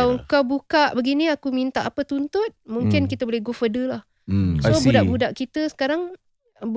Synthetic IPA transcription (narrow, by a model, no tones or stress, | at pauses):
awəŋkawbukaʔbəɡiniakumint̪aʔapət̪unt̪ʊt̪̚muŋkɪnkit̪əbolɛhɡofədəlah | sobudaʔbudaʔkit̪əsə̥kaɾaŋ | b